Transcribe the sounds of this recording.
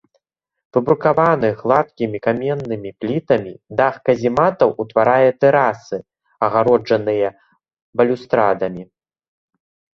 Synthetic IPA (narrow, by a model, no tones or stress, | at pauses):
vɨbɾukavanɨɣlˠat̪̚kʲimʲikamʲɛnːɨmʲiplʲit̪ɐmʲid̪axkɐzʲimat̪ɐwʔut̪vaɾajɛt̪ɛɾasɨ | ɐɣaɾɔd͡ʐɐnɨjɐ | bɐlʲust̪ɾad̪ɐmʲi